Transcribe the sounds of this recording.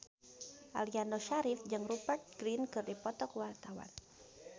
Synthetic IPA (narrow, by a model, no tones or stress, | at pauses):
ʔalianoʃaɾifd͡ʒɨŋrupərt̪̚ɡ̥ɾinkɨrdipɔt̪ɔkwart̪awa̰n